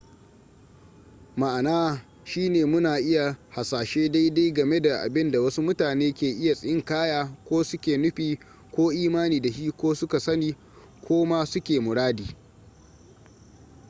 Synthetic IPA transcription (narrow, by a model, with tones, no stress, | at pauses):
ma˨ʔa˨naː˦ | ʃiː˦neː˨mʊ˦naː˨ʔɪ˦ja˨ha˨saː˨ʃeː˦da˦jda˦jɡɐ˨me˦da˨ʔa̰˨bɪ˦nda˨wɐ˦su˦mʊ˦taː˨neː˦kʲeː˨ʔɪ˦ja˨sʼɪ˨jɪ˦ŋkaː˦jaː˦kʷoː˦sʊ˦kʲeː˨nʊ˦ɸiː˨ | kʷoː˦ʔiː˦maː˦niː˨da˨hiː˦kʷoː˦sʊ˦ka˨sɐ˦niː˦ | kʷʰoː˦ma˦sʊ˦kʲeː˨mʊ˨ɽaː˦diː˨